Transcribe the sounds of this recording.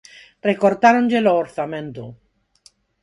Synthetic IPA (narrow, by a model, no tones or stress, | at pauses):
rekoɾt̪aɾond͡ʒeloːɾθamẽnt̪o